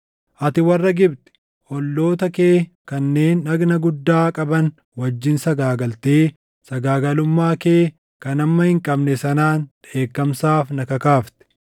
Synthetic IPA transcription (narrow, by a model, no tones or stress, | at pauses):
ʔɐt̪ɪwɐrːɐɡɪbt̪ɛ̥ | ʔɔlːo̞ːt̪ɐkeː | kɐnːe̞ːnːɐɡnɐɡʊd̪ːaːkʼɐbɐn | wɐd͡ʒːɪnsɐɡaːɡɐlt̪eː | sɐɡaːɡɐlʊmːaːke̞ː | kɐnɐmːɐhɪŋkʼɐbnɛsɐnaːnᶑe̞ːkːɐmsaːfnɐkɐkaːft̪ɛ̥